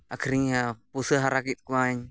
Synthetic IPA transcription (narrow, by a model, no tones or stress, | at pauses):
ʔakʰɾiŋapusəɦaɾakit̪̚kuaɲ